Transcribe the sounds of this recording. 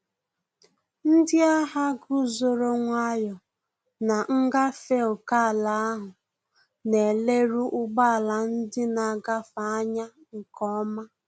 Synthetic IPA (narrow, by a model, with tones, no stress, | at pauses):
n̩˦dɪ˦a˦ɦa˦ɡu˦zo˨ɾo˦ŋʷa˦jɔ˨ | na˨ŋ̩˦ɡa˦fe˦o˨ka˦a˨la˨a˦ɦʊ˨ | ne˨le˦ɾu˦ʔʊ˦ɡ͡ba˦˨la˨n̩˦dɪ˦na˨ɡa˦fa˨a˦ɲa˦ | ŋ̩˨kɔ˦ma˦